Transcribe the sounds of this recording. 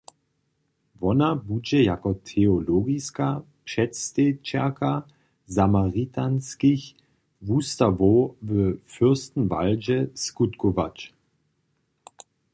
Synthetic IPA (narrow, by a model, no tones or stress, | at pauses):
vɔnabud͡ʒɛjakɔtʰeoloɡiska | pʃɛtst̪et͡ʃɛkʰa | zamaʁitʰanskiç | vustavovəfʏst̪n̩va̰ld͡ʒɛskutkɔva̰t͡ʃ